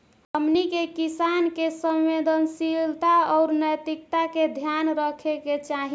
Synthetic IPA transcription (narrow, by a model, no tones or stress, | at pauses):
həmnikekisankesəmːed̪ənsilt̪aɔʊɾnəjt̪ikt̪aked̪ʱjanɾəkʰeket͡ʃaɦi